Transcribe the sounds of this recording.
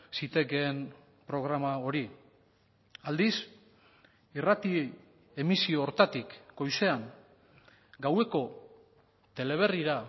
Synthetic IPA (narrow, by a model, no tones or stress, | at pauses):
sit̪e̞keːm | pɾo̞ɣ̞ɾamao̞ɾi | ald̪is | irat̪i | e̞misio̞ːɾt̪at̪ikːo̞jse̞aŋ | ɡawe̞ko̞ | t̪e̞le̞β̞e̞riɾa